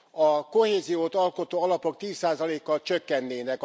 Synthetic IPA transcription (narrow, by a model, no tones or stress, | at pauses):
ɒko̞heːzijoːt̪ɒlko̞t̪oːɒlɒpo̞k̚t̪iːsːaːzɒleːkːɒlt͡ʃøkːɛnːeːnɛk